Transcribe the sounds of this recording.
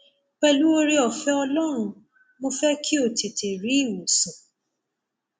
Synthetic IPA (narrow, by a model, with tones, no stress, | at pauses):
k͡pɛ˧lu˦o˧ɾi˦ɔ˨fɛ˦ɔ˧lɔ˦ɾ̃ũ˧ | mo˧fɛ˦kʰi˦o˦˨ti˨te˨ɾi˨˦i˦˨wo˨sɔ̃˨